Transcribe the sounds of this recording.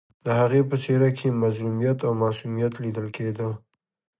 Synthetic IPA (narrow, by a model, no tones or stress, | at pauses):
d̪əhaɣepəseɾakʰemazɾumijat̪awmɑsumijat̪lid̪əlkʰed̪ə